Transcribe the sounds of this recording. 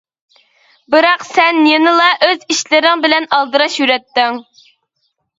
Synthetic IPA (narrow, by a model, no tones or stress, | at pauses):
bɨɾɑqsɛnːjenɨlˠɑʔøziʃlɪɾɪŋbɪlɛnɑlˠd̪ɨɾɑʃjyɾɛt̪ːɪŋ